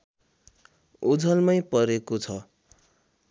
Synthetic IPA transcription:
ud͡zʱʌlmʌjpʌɾekot͡sʰʌ

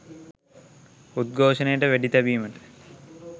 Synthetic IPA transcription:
ut̪̚ɡʱoːʃənəjəʈəʋæɖit̪æbiːməʈə̥

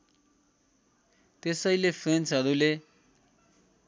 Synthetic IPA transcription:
t̪esʌjlepʰrensɦʌɾule

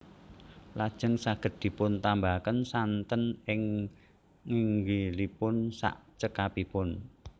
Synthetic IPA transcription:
lad̥ʒ̥əŋsaɡ̥ə̤t̪̚d̪̥i̤pʊnt̪ambakənsant̪ənɪŋ | ŋiŋɡilipʊnsa̰ʔt͡ʃəkapipʊn

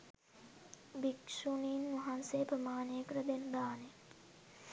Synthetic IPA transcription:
bikʂuniːnmɐɦanseːpɾɐmaːneːkɾɐd̪end̪aːne

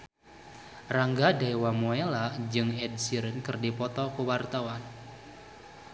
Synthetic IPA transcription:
raŋɡadaiwamoelad͡ʒɨŋɛd̚siɾənkərdipɔt̪ɔkuwart̪awan

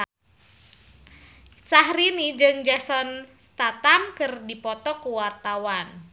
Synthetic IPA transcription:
saɦɾinid͡ʒɨŋd͡ʒasɔnst̪at̪amkɨrdipɔt̪ɔkuwart̪awan

